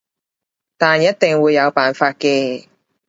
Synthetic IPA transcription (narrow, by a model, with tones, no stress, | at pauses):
t̪aː˨njɐ˦˥t̚t̪ɪ˨˩ŋwuː˨˧jːɐ˨˧wpaː˨nfaː˧t̚kɛː˧